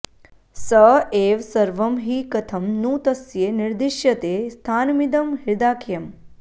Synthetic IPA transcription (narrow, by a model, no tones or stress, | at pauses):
sɐeːʋsɐɾʋɐmɦiːkɐt̪ʰɐmnuːt̪ɐsjeːniɾd̪iʃjɐt̪eːst̪ʰaːnmid̪ɐmɦiɾd̪aːkʰjɐm